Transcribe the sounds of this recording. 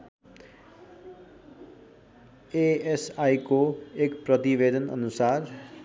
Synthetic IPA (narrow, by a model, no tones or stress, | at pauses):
eesajkoekprʌt̪ibed̪ʱʌnʌ̰nusar